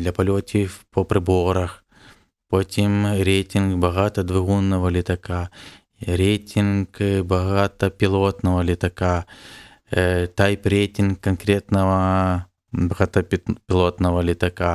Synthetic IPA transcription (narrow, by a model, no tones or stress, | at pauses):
d̪lʲɐpɐlʲotʲɪfpopɾʲɪboɾɐx | pot̪ʲimɾʲejtʲɪnkbɐɣat̪ɐd̪vɨɣunːəvɐlʲɪt̪ɐka | ɾʲejtʲɪnkbɐɣat̪ɐpʲɪlˠot̪nɐvɐlʲɪt̪ɐka | t̪ajpɾʲetʲɪnkːɐnkɾʲet̪nəvɐ | bɐɣat̪ɐp̪ʲpʲɪlˠot̪nɐvɐlʲɪt̪ɐka